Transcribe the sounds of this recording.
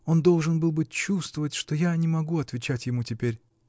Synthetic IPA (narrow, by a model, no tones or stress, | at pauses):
o̞nd̪o̞lˠʐɨnbɨlˠbɨt͡ɕːust̪vəvətʲʂt̪ojanʲɪmɐɡuɐt̪vʲɪt͡ɕætʲjɪmutʲɪpʲeɾʲ